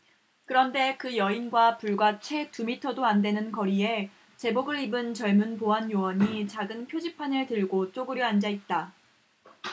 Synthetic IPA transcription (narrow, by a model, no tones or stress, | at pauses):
kɯɾʌnde̞kɯjʌinɡwapuɭɡwat͡ɕʰwe̞tumitʰʌdoande̞nɯnkʌɾie̞ | t͡ɕe̞boɡɯɭibɯnt͡ɕʌɭmunpoɦanjowʌɲit͡ɕaɡɯnpʰjod͡ʑipʰanɯɭtɯɭɡot͡ɕ͈oɡɯɾjʌand͡ʑait̚t͈a